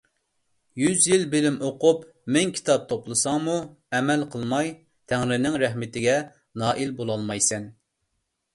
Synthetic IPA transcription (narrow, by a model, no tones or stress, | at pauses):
jyzjilbɪlɪmoqup | mɪŋkʲʰi̥t̪ʰɑp̚t̪ʰoplˠɨsɑŋmu | ɛmɛlqʰəlˠmɑj | t̪ʰæŋɾɪnɪŋɾɛhmɪt̪ɪɡʲɛ | nɑːʔilbolˠɑlˠmɑjsɛn